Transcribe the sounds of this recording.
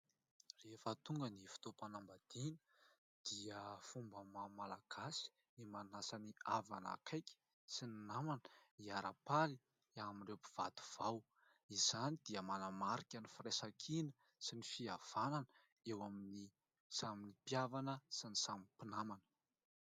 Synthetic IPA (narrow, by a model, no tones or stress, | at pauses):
refət̪uŋɡənifi̥t̪opanambad̪̥inə | d̪̥iəfumbəmamalaɡ̥asi̥ | nimanasaniava̰na̰kʰajkʲi̥ | sininamanəiaɾapali | aminrepi̥v̥a̰d̪u̥v̥aw | izanid̪iəmanamaɾikʲanifiresakʰinə̥ | sinifiav̥ananə | ewamini | saminipjavanəsinisamipinamanə̥